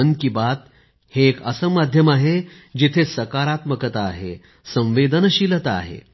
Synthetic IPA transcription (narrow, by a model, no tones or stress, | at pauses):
ənkibat̪̚ | heːkəsəmad̪ʱjəmaɦe | d͡ʑit̪ʰesəkaɾat̪məkət̪aːɦḛ | sə̃w̃ʋed̪ʱənəɕilət̪a̰ɦḛ